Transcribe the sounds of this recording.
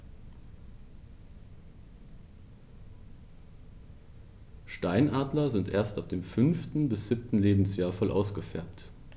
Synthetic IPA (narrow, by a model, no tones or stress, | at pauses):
ʃtaɪnʔaːdlɐzɪntʔeːɐstap̚d̥eːmfʏnftn̩bɪsz̥ɪp̚tn̩leːbm̩sjaːɐfɔlʔa̰ʊsɡ̥əfɛɐpt